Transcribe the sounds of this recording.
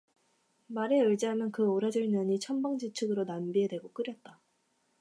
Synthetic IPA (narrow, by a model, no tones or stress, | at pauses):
maɾe̞ɯɭd͡ʑiɦamjʌnkɯoɾad͡ʑɯɭmjʌɲit͡ɕʰʌmbaŋd͡ʑit͡ɕʰɯɡɯɾonambiɦe̞dwe̞ɡok͈ɯɾjʌt̚t͈a